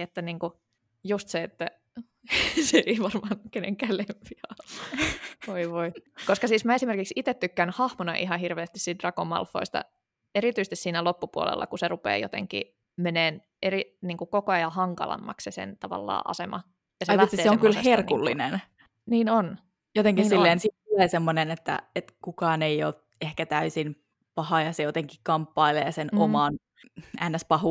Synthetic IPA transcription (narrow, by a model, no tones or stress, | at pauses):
et̪ːæniːŋku | just̪seet̪ːæ | seeiʋɑrmɑːnkeneŋkæːlempiɑː | ʋoiʋoikoskɑsiːsmæesimerkiksit̪et̪t̪ykːænhɑhmonɑ̰ʔiɦɑhirʋeːst̪issit̪rɑkomːɑ̰lfːo̰ist̪ɑ̰ | eɾit̪yst̪isiːnælopːupuo̰lḛlːɑ̰kuserupḛːjo̰t̪ḛŋkḭ | meneːn | eriniːŋkukokoɑjɑhɑŋkɑ̰lɑ̰mːɑ̰kssesḛnt̪ɑʋɑ̰lːɑ̰ːʔɑ̰semɑ̰ | jɑseɑjlæt̪sieːseoŋkylherkulːḭnen | niːnon | jot̪eŋkissilːeːnsit̪t̪ulesemːonenet̪ːæ̰et̪kukɑːneioːt̪̚ | ehkæt̪æysin | pɑhɑjɑsejot̪eŋkikkɑmpːɑileːsenomɑn | ænːæspɑhu